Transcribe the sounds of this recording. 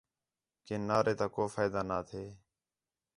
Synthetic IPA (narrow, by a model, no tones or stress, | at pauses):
keːnaːɾeːt̪aːkoːfaːjd̪aːnaːt̪ʰeː